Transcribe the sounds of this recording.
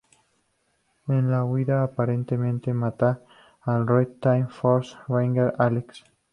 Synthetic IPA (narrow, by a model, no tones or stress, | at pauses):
enlawiðaːpaɾent̪emẽnt̪emat̪aː | lrojt̪ajmfoɾsβaŋɡeɾaleks